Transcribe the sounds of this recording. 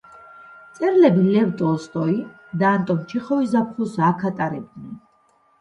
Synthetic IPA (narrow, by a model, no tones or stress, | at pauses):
t̪sʼɛɾlɛbilɛvt̪ʼɔst̪ʼɔi | d̪aːnt̪ʼɔmt͡ʃʰiχɔizap̚ʰχusakʰat̪ʼaɾɛb̚d̪nɛn